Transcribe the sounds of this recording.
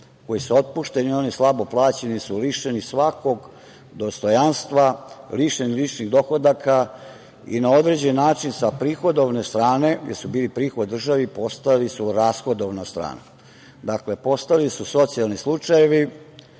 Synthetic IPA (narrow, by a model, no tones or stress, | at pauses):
ko̞jisuo̞t̪̚puʃt̪e̞nio̞nislˠabo̞plˠaːt͡ɕenisuliʃenisʋako̞ɡ | d̪o̞st̪o̞janst̪ʋaliʃenilit͡ʃniɣd̪o̞xod̪akʰa | ḭnaod̪ɾe̞d͡ʑenːaːt͡ʃinsapɾiːxo̞d̪oʋnest̪ɾaːne̞ɡjed̪subiːlipɾiːxod̪ːr̩ʒaʋipo̞st̪alisuɾaːsxo̞d̪oʋnast̪ɾa̰ːna | d̪akle̞po̞st̪alisuso̞t̪sijalˠnislˠut͡ʂajeʋi